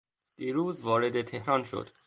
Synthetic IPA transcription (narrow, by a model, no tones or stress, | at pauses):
d̪̥iːɾuːzvɒːɾed̪et̪ʰehɾɒːnʃo̰d̪̥